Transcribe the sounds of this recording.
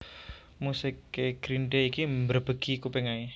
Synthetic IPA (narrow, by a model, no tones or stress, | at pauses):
musɪkːeɡ̥ɾindeikimbərb̥əɡ̥ikupeŋai